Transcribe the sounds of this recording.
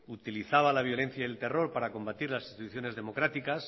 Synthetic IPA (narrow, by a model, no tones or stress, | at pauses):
ut̪iliθaβ̞alaβ̞jo̞le̞nθjaelt̪e̞ro̞ɾpaɾako̞mbat̪iɾlasi̥st̪it̪uθjo̞ne̞zðe̞mo̞kɾat̪ikas